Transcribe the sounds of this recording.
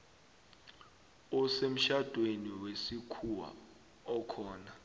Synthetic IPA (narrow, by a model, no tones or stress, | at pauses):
ɔsem̩ʃad̥ʱweniwesikʰuwa̰ | ɔkʰɔːna